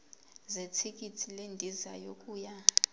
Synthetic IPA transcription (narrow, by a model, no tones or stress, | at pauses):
zetʰik̬ʼitʰilendʱizajokʼuːja